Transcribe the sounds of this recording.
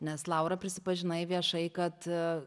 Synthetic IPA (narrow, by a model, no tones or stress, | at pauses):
nʲɛslˠɐʊɾɐpʲɾʲɪsʲɪpɐʒʲɪnɐɪʋʲiɛʃɐɪkɐt̪